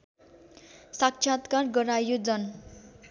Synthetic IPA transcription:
sakt͡ʃʰjat̪karɡʌɾajod͡zʌn

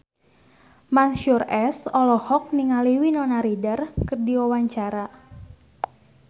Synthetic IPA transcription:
manʃurɛsɔlɔhɔk̚niŋaliwinɔnaɾidərkərdiwawaɲt͡ʃaɾa

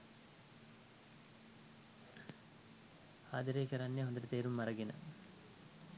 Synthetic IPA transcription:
aːd̪ɐɾeːkɐɾɐnːjɐɦond̪ɐɾɐt̪eːɾumːɐɾɐɡinɐ̰

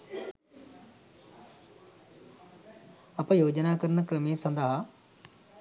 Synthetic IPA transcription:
ɐpɐjoːd͡ʒənaːkɐɾnəkɾəmeːsɐ̃nd̪aɦa

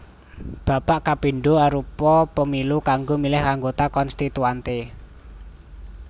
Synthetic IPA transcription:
b̥a̤paʔkapiɳɖoaɾupɔpəmilukaŋɡomilɪhaŋɡot̪akɔnst̪it̪uant̪e

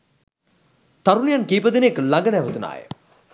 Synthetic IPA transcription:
t̪ɐɾunejankiːpəd̪ineeklɐɡɐnɛʋət̪una̰ːjə̰

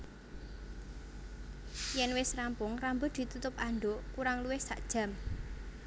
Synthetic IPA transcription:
jɛnwɪsrampʊŋrambʊd̪̥i̤t̪ut̪ʊp̚aɳɖoʔkuɾaŋluwɪhsa̰ʔd̥ʒ̥ä̤m

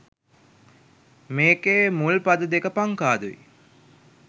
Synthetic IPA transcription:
meːkeːmulpad̪əd̪ekəpaŋkaːd̪uʋḭ

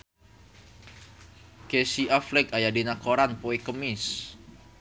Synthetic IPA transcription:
kesiaflɛkajadenakoɾanpoekəmɪs

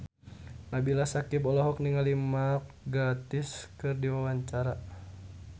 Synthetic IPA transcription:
nabilasakibɔlɔɦɔk̚niŋalimak̚ɡat̪ɪskɨrdiwawaɲt͡ʃaɾa

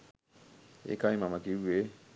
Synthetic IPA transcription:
ḛkaimamakiue

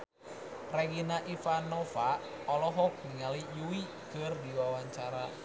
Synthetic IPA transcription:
reɡinaʔifanɔfa | ɔlɔɦɔk̚niŋalijuwi | kərdiwawaɲt͡ʃaɾa

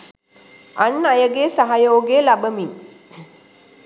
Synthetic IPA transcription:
anːajəɡeːsaɦajoːɡelabəmiŋ

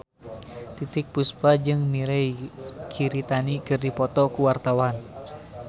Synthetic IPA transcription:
t̪it̪ɪk̚puspad͡ʒɨŋmiɾɛjkʰiɾit̪anikɨrdipɔt̪ɔkuwart̪awan

